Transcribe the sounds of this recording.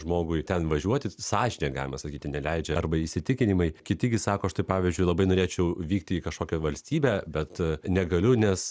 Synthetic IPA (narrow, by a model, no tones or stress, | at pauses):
ʒmoːɡʊɪt̪ʲɛnʋɐʒʲuɔt̪ʲɪsɑːʒʲɪnʲeɡɑ̰ːlʲɪmɐsɐkʲiːt̪ʲɪnʲɛlʲɛɪd͡ʒʲɛɐrbɐɪʃʲsʲɪt̪ʲɪkʲɪnʲɪmɐɪkʲɪt̪ʲɪɡʲɪsɑːkoɐʃt̪ɐɪpɑːʋʲiːzʲd͡ʒʲʊɪlˠɐbɐɪnoːɾʲeːt͡ʃʲɛʊʋʲiːkt̪ʲɪikɐʃkoːkʲɛʋɐlʲsʲt̪ʲiːbʲæːbʲɛt̪nʲɛɡɐlʲʊnʲɛs